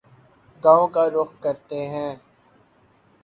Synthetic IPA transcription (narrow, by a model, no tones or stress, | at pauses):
ɡãːõkaɾʊxkɐɾt̪eɦɛ̃ː